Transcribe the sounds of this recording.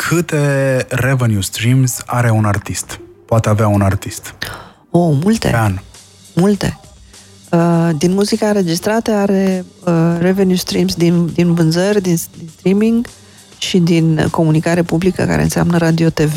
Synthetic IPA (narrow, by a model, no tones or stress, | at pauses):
kʰɨt̪e̞revenjust̪ɾimzʲaɾe̞unart̪ist̪ | poat̪eaveaunart̪ist̪ | omult̪ḛan | mult̪e̞̰ | əd̪inmuzikaɨnɾe̞d͡ʒist̪ɾat̪əaɾeəre̞ve̞njust̪ɾimsd̪ind̪invɨnzərʲd̪ind̪inst̪ɾimiŋɡ | ʃid̪inko̞munikaɾe̞publikə̰ka̰ɾḛɨnsea̰mnəɾad̪io̞t̪e̞ve